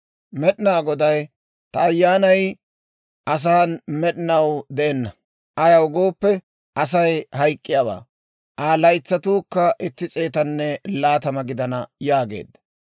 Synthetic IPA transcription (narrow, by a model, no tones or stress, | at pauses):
mɛɗɪnaːɡɔd̪ɐj | t̪ɐːjːaːnɐj | ʔɐs̬aːnmɛɗɪnɐwd̪ɛʔɛnːɐ | ʔɐjɐwɡo̞ːpːɛ | ʔɐs̬ɐjhɐjkʼːɪjaba̰ː | ʔaːlɐjt͡sːɐt̪uːkːɐʔɪt̪ːɪt͡sʼe̞ːt̪ɐnːɛlaːt̪ɐmɐɡɪd̪ɐnɐjaːɡe̞̰ːd̪ːɐ̥